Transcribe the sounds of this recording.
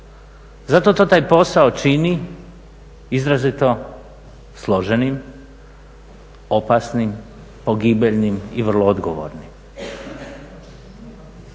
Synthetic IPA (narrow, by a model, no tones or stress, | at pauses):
zat̪ot̪o̞ːt̪aːjpo̞saot͡ʃini | izɾazit̪o̞ | slˠoʒenim | opasnim | poɡibeʎnimiʋər̩lˠood̪ɡoʋo̰ɾnim